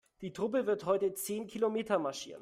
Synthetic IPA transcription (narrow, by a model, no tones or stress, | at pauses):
d̥iːtʁ̥ʊp̬əvɪɐthɔʏtət͡seːnkʰilomeːtɐmaɐʃḭːʁən